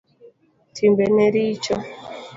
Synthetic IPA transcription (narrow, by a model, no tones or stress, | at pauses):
tʰimbɛneɾit͡ʃɔ